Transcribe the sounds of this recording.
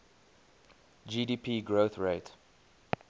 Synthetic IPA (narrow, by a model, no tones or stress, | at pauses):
d͡ʒidiːpʰiːɡɹoθɹeɪt